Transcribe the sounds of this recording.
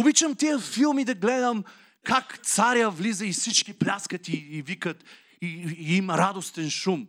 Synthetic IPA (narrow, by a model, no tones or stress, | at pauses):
ʊbit͡ʃəmt̪iəfilˠmid̪ɐɡlɛd̪əm | kakt̪saɾʲəvlizəisit͡ʃkʲiplʲaskət̪iːvikət̪ | iimɐɾad̪ost̪ɛnʃum